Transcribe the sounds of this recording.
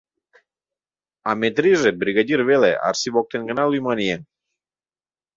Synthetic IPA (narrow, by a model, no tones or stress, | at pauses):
ɑmet̪ɾiʒebɾʲiɣad̪ʲirβelḛʔɑ̰rsiβok̚t̪enɡə̆nɑlujmɑnʲije